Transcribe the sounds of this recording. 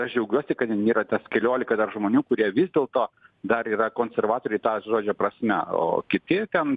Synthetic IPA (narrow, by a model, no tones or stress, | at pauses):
ɐʃd͡ʒʲɛʊɡʲuɔsʲɪkɐt̪nʲiːɾɐt̪ʲɐskʲɛlʲoːlʲɪkɐd̪ɐrʒmoːnʲuːkʊɾʲiɛʋʲɪzʲd̪ʲeːlˠt̪oːd̪ɐɾiːɾɐkoːnʲsʲɛrʋɑːt̪oːɾʲɛɪt̪ɑːʒoːd͡ʒʲoːpɾɐsʲmʲɛo̰ːkʲɪt̪ʲɪt̪ʲɛn